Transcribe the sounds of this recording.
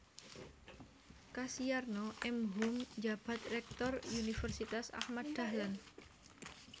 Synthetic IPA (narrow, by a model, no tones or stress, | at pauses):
kasiarnɔʔɛmɦumd͡ʒab̥a̤t̪̚rɛk̚t̪ɔrunifərsit̪asa̰hmad̪̥a̤hlan